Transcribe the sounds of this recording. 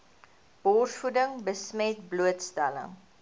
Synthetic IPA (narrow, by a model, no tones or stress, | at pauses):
b̥ɔrsfudəŋbəsmɛt̚bluətstɛlə̰ŋ